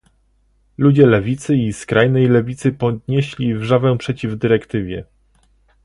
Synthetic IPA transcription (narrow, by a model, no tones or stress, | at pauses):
lud͡ʑɛlɛvʲit̪sɘiskɾajnɛjlɛvʲit̪sɘpɔd̪ɲeɕlʲivʐavɛpʂɛt͡ɕivd̪ɘɾɛkt̪ɘvʲjɛ